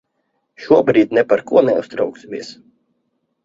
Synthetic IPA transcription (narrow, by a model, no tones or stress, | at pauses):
ʃuɔbɾiːd̪̚ʲnɛpaɾkuɔnɛust̪ɾawksmʲiɛs